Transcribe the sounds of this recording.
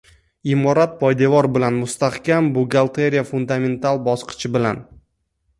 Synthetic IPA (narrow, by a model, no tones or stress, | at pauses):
ɪmɒɾat̪̚pʰɒjd̪avɒɾbɪlanmʊst̪ahkʲambʊɡalˠt̪ʰe̞ɾijafund̪ame̞nt̪ʰalˠbɒsqʰɨ̥t͡ʃʰɪbɪla̰n